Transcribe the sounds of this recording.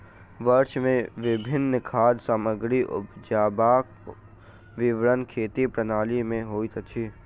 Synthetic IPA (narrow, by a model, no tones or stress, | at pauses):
ʋəɾʃmẽʋɪbʱɪnːkʰaːd̪saːməɡɾiʔʊ̰pd͡ʒaːbaːk | ʋɪʋɾənkʰeːt̪ipɾənaːlimẽɦoːit̪ʰt͡ʃʰiː